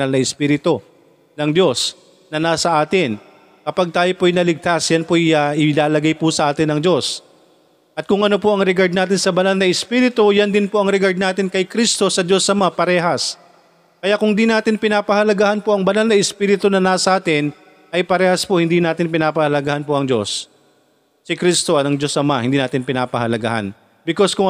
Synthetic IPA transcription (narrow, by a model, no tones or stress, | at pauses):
alnɐɪspiːɾɪt̪o̞ | nɐŋd̪jo̞s | nɐnaːsɐʔaːt̪ɪn | kɐpaɡ̚t̪aːjo̞poɐjnɐlɪɡ̚t̪asjɐnpojaʔɪlaːlɐɡajpʊsɐʔaːt̪ɪnːɐŋd̪o̞s | ʔɐt̪̚kʊŋʔɐno̞poʔɐŋɾɪɡaɹd̪naːt̪̬ɪnsɐbɐnalnɐʔɪspiːɾɪt̪o̞jɐnd̪ɪnpo̞ʔɐŋɾɪɡaɹd̪̚naːt̪ɪnkɐjkɾist̪o̞sɐd̪jo̞sːɐmɐŋapɐɾɛːɦɐs | kɐjaʔkʊŋd̪inaːt̪ɪnpɪnaːpɐhɐlɐɡahɐnpo̞ʔɐŋbɐnalnɐɪspiɾɪt̪onɐnaːsɐʔaːt̪ɪn | ʔɐjpɐɾɛːhɐspohɪnd̪inaːt̪ɪnpɪnaːpɐhɐlɐɡahɐnpoʔɐŋd͡ʒo̞sː | ɪkɾist̪o̞ɐnɐŋd͡ʒo̞sʔɐmahɪnd̪iːnaːt̪ɪnpɪnaːpɐhɐlɐɡa̰ha̰n | bɪko̞skʊŋ